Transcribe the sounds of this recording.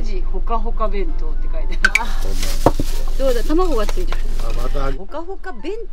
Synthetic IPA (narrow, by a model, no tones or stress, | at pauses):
d͡ʑihokaɦokabẽ̞nt̪ot̪ːekait̪e | d̪oːd̪at̪amaɦoβat͡sẽd͡ʑo | hokaɦokabẽnt̪